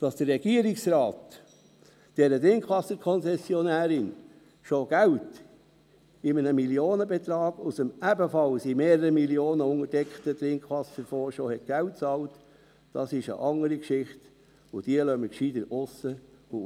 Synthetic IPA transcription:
d̥ɑsd̥əɾrɛɡ̥iəɾɪksɾɑːt | d̥ɛɾət̪ɾɪŋkχʋɑsəkʰɔnsɛsjɔnæːɾɪn | ʃoɡ̥æwt | ɪmənəmiljoːnəbɛt̪ɾɑːɡ̥usəmæbəfɑlsimeːɾəɾəmilioːnəʊŋəɾd̥ɛkχtət̪ɾɪŋkχʋɑsəɾfoːʃohɛt̚ɡ̥æwt̚t͡sɑːlt | d̥ɑsɪʃə̰ʔɑŋəɾikʃɪχt | ʊd̥iəlœməkʃid̪ənʊsəʊ

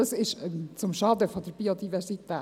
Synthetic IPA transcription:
sɪʃt͡sʊmʃɑdəfodəɾbiːodivɛɾsit̪ɛː

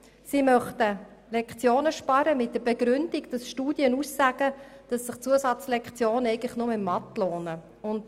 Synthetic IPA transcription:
simœχtəlɛkχt͡sjoːnəʃpɑɾəmɪt̚d̥əɾbɛɡɾʏnd̥iɡd̥ɑsʃtuːdjənusːæɡ̥əd̥ɑsːəχt͡suəsɑt͡slɛkχt͡sjoːnɛɪɡələχnʊmɪmmɑtloːnə | ʊnd

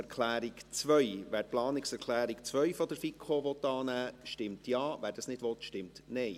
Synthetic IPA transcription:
ɛɾkʰlæːɾɪkt͡svœʏʋæːɾplɑːnɪksɛɾkʰlæːɾɪkt͡sʋœʏfɔd̪əɾfikʰoʋɔt̪ːɑːnæːʃtɪmtjɑːʋæːɾd̥ɑsnɪd̥ʋɔtʃtɪmtnɛɪ

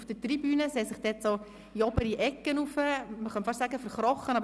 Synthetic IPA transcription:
fd̥ətribyːnəseːsɪχd̥ɛːtsoː | iɔbəɾiʔɛkːənufəməχœntfɑʃsæːɡəfəɾχɾɔχənɑb

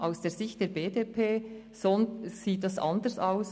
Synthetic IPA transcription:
ʔaʊsd̥eːɐzɪçtd̥eːɾbeːdeːpʰeː | sonsiːt̚d̥ɑsʔɑ̰ndəɹsaʊs

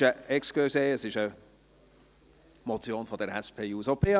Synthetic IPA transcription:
əɛksɡ̥øseəsɪʃə | mɔtt͡sjoːnfɔd̪əɾɛspʰeːjuːsopʰeɑ

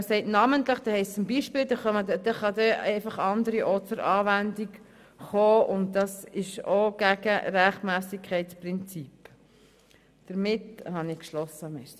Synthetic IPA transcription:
əsɛɪtnɑmənt̪ləχd̥̪ɛhɛɪst͡sʊmbiːʃpɪːld̥̪ɛχɑmədd̥̪ɛχɑd̪ɛɛɪfɑχɑnd̪əɾiʔɔtt͡səɾɑːʋændik | χoːʊnt̚d̪ɑsɪʃoɡ̥æɡ̥əɾæχtmæːsikʰχɛɪt͡spɾɪnt͡sip | d̪̥əɾmɪthɑnikʃlɔsːəmɛs

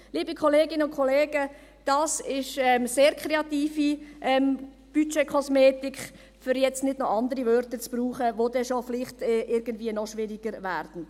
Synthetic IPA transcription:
liːbikʰɔleːɡɪnəʊnkʰɔleːɡə | d̥ɑːsɪʃɛmseːɾkʰɾeɑtiːfiʔɛm | b̥yt͡ʃekʰɔsmeːtɪk | fʏɾjɛt͡stnɪdnɔʔɑndəɾivœɾtət͡sb̥ruːχəʋodɛʃoflɪχtɛʔɪɾɡ̥ən̩dviːənɔʃʋɪɾiɡ̥əɾvæːɾd̥n̩

